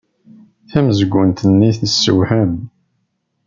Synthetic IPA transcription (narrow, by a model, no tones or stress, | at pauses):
θæməzəɡʷːənt̪ənːiθəsːə̰whæm